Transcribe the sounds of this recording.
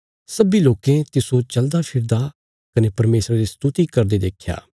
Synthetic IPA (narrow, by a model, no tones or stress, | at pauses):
sɐbiloːkẽt̪ɪsõt͡ʃɐld̪apʰɪɾd̪a | kɐnepɐɾmeːsɾaɾist̪ʊt̪ikɐɾd̪ed̪eːkʰja̰ː